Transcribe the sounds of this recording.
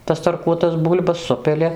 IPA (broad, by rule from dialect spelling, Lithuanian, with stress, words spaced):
tɐs tɐrˈkuɔtɐs ˈbuːlʲbɐs ˈsʊpʲɪlʲɪ